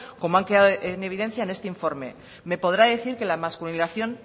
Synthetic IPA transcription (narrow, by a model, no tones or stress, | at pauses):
ko̞moaŋkeðaðoʔene̞β̞iðe̞nθjaenest̪e̞iɱfo̞ɾme̞̰ | me̞po̞ð̞ɾaðe̞θiɾke̞lamaskulinaθjo̞n